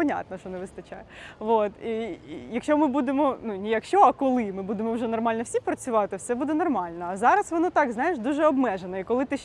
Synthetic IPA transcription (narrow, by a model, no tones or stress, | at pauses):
ɐnʲa̰t̪nɔʃɔnɛʋɪst̪ɐt͡ʃa̰jʋot̪ijɐkʃʲt͡ʃɔmɪbud̪emɔnunʲijakʃt͡ʃɔɐkɔlˠɪmɪbud̪emɔwʒɛnɔrmɑlʲnwsʲipɾɐt͡sʲʊʋɑt̪ɪwsɛbud̪ɛnɔrmɑlʲnɔːzɑɾɐsʋɔnɔt̪ɑɡznɑjɪʃd̪uʒɛɔbmɛʒenɐikɔlˠɪt̪ɪ